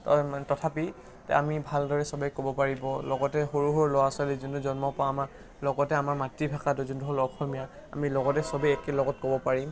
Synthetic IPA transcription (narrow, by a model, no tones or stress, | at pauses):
ttɔtʰapi | tɛ̰amibʱaldɔɹɛsɔbajkobɔpaɹibɔlɔɡɔtɛxoɹuɦɔɹlɔwasalizuntuzɔnmɔpɔaːma | lɔɡɔtɛamaɹmatɹibʱakat̬ʊzuntuɦɔlɔxʰɔmija | a̰milɔɡɔtɛsɔbɛɛkelɔɡɔt̚kobɔpaɹim